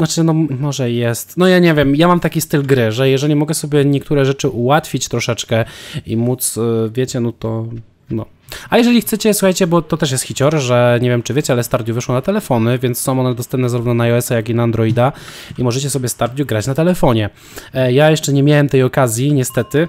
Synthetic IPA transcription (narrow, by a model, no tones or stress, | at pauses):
nat͡ʂɘnɔmɔʐɛjɛst̪nɔjaɲɛvʲjɛmjamamt̪akʲist̪ɘlɡɾɘʐɛjɛʐɛlʲimɔɡɛsɔbʲjɛɲɛk̚t̪uɾɛʐɛt͡ʂɘʔuwat̪fʲit͡ɕt̪ɾɔʂɛt͡ʂkɛimut̪svʲjɛt͡ɕɛnɔt̪ɔ | nɔ | ajɛʐɛlʲixt̪sɛt͡ɕɛsuxajt͡ɕɛbɔt̪ɔt̪ɛʂ̬jɛst̪xʲit͡ɕɔɾʐɛɲɛvʲjɛmt͡ʂɘvʲjɛt͡ɕɛalɛst̪aɾd̪ʲjuvɘʂwɔnat̪ɛlɛfɔnɘvʲjɛntssɔ̃w̃ɔnɛd̪ɔst̪ɛmpnɛzaɾuvnɔnaɔɛsajakinaːnd̪ɾɔjid̪aimɔʐɛt͡ɕɛsɔbʲjɛst̪aɾd̪ʲjuɡɾat͡ɕnat̪ɛlɛfɔɲɛ | jajɛʂt͡ʂɛɲɛmʲjawɛmt̪ɛjɔkazʲjiɲɛst̪ɛt̪ɘ